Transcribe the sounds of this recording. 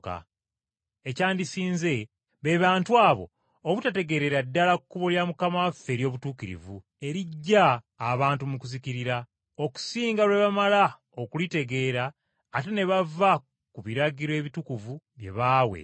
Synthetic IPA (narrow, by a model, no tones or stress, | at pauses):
ka̰ | ecaːndisiːnze̞ | βe̞ːβaːntuaːβo̞̰ː | βutate̞ɡe̞ɾe̞ɾadːalakukːuβoljamukamafe̞ːɾjo̞ːβutuːkiɾḭvu | e̞ɾiɟːaː | βaːntumukuziciɾiɾa | o̞ku̥siːŋɡalwe̞βamala | okulite̞ɡe̞ːɾaː | te̞ne̞βava | kuβiɾaɡiɾe̞βitukuvu | βje̞̰βaːwḛ